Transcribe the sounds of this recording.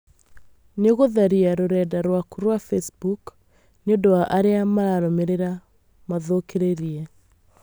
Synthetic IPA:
neɣoðaɾiaɾoɾɛdaɾwakuɾwafesbuk | neondowaʔaɾeamaɾaɾomeɾeɾa | maðokeɾeɾiɛ

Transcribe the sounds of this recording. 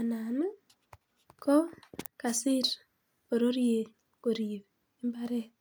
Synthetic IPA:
anana | kokasiɾ | oɾoɾje | koɾiβiː | mbaɾe

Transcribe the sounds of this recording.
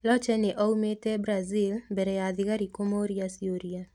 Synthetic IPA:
lɔt͡ʃɛnɪʔɔwmetɛbɾazilbɛɾɛjad̪ɪkaɾikomoɾiasioɾia

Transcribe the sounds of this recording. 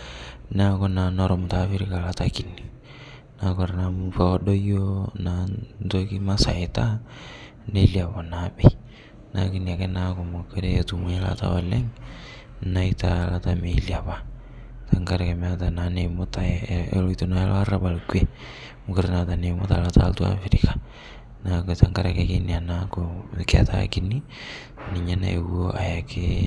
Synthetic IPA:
nakonanoɾomutafiɾikalatakini | nakoɾanamufaodojonatokimasa̰eta | neliaβonabej | nakiniakenakomokeɾejotumela̰ta̰waleŋ | naitalatameliaβa | taŋɡaɾakematananemotaeloitonaelʔoaɾaβalkwe | mokoɾenatanemota̰lata̰ltwa̰fiɾikḁ | naktaŋɡaɾakekenianakokea̰ta̰kini | niɲana̰ewoʔajakʰe

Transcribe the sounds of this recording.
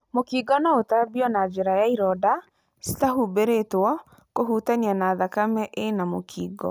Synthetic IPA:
mokiːɡɔnaotabiɔnad͡ʒeɾajaiɾɔda | si̥taɦubeɾetwɔ | koɦutanianaðakamɛʔenamokʰiːɡɔ̰

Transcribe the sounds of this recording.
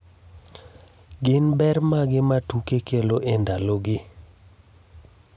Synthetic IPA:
ɡɪnbɛrmaɡɪmatukekʰeloʔendaloɡɪ

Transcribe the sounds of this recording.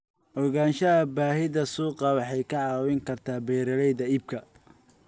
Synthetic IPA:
ʔɔɣaːnʃɐɐbaːɦɪðɐsuːqɑwɑħɑjkʰɐʕɑːwɪŋkʰɐrt̪ʰaːbɛːɾɐlɛjðɐiːb̚kʰɐ

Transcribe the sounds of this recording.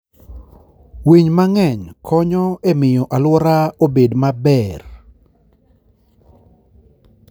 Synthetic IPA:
wiɲmaŋɛɲkʰɔɲɔemɪjɔʔalwɔɾaobedmabɛr

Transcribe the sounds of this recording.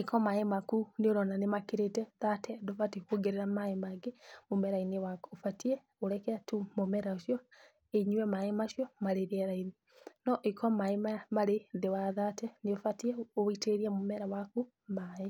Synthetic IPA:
ikɔmaemakuneoɾɔnanemakiɾetɛðatɛdofatikoɡeɾeɾamaemaɡemomɛɾainewakofatiɛ | oɾɛkɛatumomɛɾaoʃjɔ | eɲuwɛmaemaʃjɔmaɾeɾiɛɾaini | nɔʔikʰɔmaemamaɾeðewaðatɛneofatiɛoiteɾiamomɛɾawaku | mae

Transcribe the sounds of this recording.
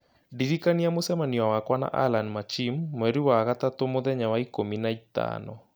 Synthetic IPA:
diɾikaniamosɛmaniwawakwana̰ʔa̰lanmat͡ʃimːwɛɾiwaɣatatomoðɛɲawaikominait̪a̰nɔ

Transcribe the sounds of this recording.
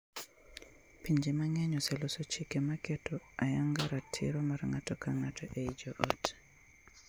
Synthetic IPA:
piɲd͡ʒemaŋɛɲɔsɛlosot͡ʃikemakɛtɔajaŋɡaɾatʰɪɾɔmarŋatɔkaŋatʰɔʔeid͡ʒoʔot

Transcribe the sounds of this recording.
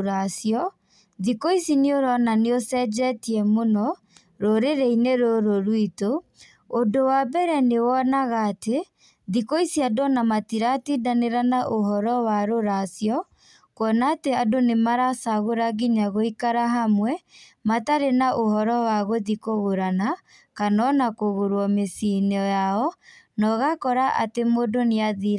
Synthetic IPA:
ɾasjɔ | ðikoisineoɾɔnaneosɛd͡ʒɛtiɛmonɔ | ɾoɾeɾeineɾoɾoɾwitoː | dowabɛɾɛnewɔnaɣaːte | ðikoisiadɔnamatiɾatidaneɾanaʔoɦɔɾɔwaɾoɾasjɔ | kɔnaːteadonemaɾasaɣoɾaɣiɲaɣoikaɾaɦamwɛ | mataɾenaʔohɔɾɔwaɣoðikoɣoɾana | kanɔnakoɣoɾwɔmesinɔjaɔnɔɣakɔɾaʔa̰temodoneaðiɾa

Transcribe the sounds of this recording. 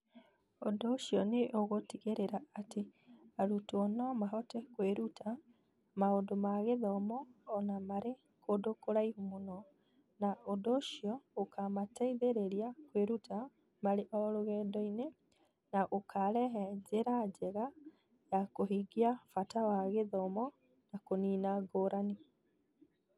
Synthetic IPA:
odoːʃiɔneʔoɣotiɣeɾeɾaateaɾutuɔnɔmaɦɔtɛkweɾuta | maondomaɣeðɔmɔːnamaɾe | kʰodokoɾaihumonɔ | naodoːʃiɔokamataiðeɾeɾiakweɾutʰa | maɾeʔɔɾoɣɛːdɔine | naʔokʰaɾɛɦɛd͡ʑeɾad͡ʑɛɣa | jakoɦiɡiafatawaɣeðɔmɔ | nakoniːnaɡoːɾani

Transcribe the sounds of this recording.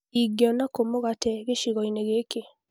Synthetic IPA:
iɡjɔnakomoɣatɛɣeʃiɣɔineɣeke

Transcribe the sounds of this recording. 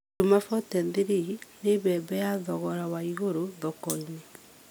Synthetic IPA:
umafɔtɛnðiɾiineβɛːbɛjaðɔɣɔɾawaiɣoɾoðɔkɔɲe

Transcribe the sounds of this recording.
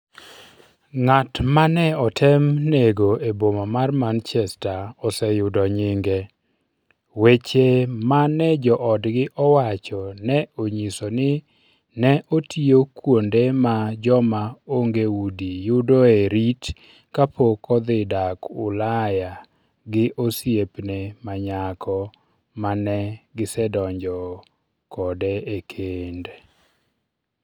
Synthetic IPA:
ŋatmanɛɔtʰɛmneɡoebomamarmant͡ʃɛstaɔsɛjʊdɔɲɪŋɡe | wet͡ʃemanɛd͡ʒɔʔɔdɡɪʔɔwat͡ʃɔnɛoɲisonɪ | nɛʔotʰiokwondemad͡ʒɔmaoŋɡeudijʊdoeɾit | kapokɔd̪ɪdakʊlaja | ɡɪʔosjepnemaɲakʰɔ | manɛɡɪsɛdɔɲd͡ʒɔ | kʰɔdeekʰende

